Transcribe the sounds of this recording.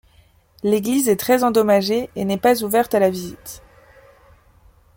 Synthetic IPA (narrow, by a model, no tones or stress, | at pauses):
leɡlizɛt̪χɛzɑ̃d̪ɔmaʒeenɛpazuvɛʁt̪alavizit̪